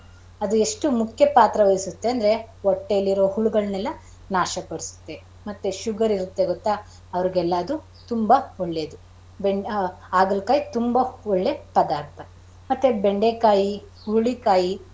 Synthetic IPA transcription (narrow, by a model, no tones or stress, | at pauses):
ɐd̪ue̞ʂʈumukʰjɐpaːt̪ɾɐʋɐjisut̪ːe̞ɐnd̪ɐɾe̞ɔʈːeɐlːiɾoːhuɭuɡɐɭnɛlːɐ | naːʃɐpɐɽisu̥t̪ːe̞ | mɐt̪ːeʃuɡɐɾiɾut̪ːe̞ɡɔt̪ːa | ɐʋɐɾiɡɛlːɐɐd̪u | t̪umbɐɔɭːed̪u | beɳ | aːɡɐlkaːjit̪umbɐɔɭːe̞pɐd̪aːɾt̪ʰɐ | mɐt̪ːebeɳɖekaːji | huɭikaːji